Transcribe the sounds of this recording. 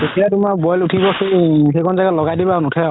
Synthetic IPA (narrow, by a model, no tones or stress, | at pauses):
etijatumabɔjlutʰibɔxejxejkʰɔnzaɡatlɔɡajdibanutʰɛɔ